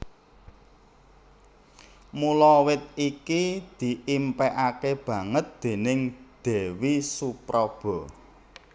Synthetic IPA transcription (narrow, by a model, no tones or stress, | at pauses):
mulɔwɪt̪̚ikid̪̥i̤ʔimpɛʔakeb̥ä̤ŋət̪̚d̪̥e̤nɪŋd̪̥e̤wisupɾɔb̥ɔ̤